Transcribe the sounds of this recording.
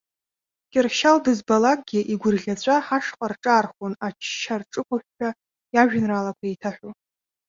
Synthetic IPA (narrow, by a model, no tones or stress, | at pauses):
kʲʼɪrʃaldɨzbalak̚ʼɡʲɪʔiɡʷʊrɮʲat͡ɕʷʰʼaħaʂqʼarʈ͡ʂʼaːrχʷonat͡ʃʰʃarʈ͡ʂʼɨkʷʰʊħʷᶣt͡ʃʰa | jaʒᶣnralakʷʰaejtʰaħᶣʷo